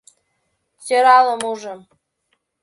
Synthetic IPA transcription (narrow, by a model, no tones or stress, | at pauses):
t͡ɕʲə̆ɾɑlɤ̆muʒə̆m